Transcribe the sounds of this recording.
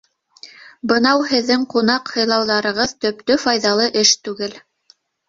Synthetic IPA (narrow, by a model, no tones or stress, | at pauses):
bɤ̆nɑwhɘ̆ðːɘŋqunɑqhɤ̆jlˠɑwðɑɾɤ̆ʁɤðt̪ɵ̆pt̪ɵfɑjðɑlˠɤʔɘʃt̪ʉɡɘl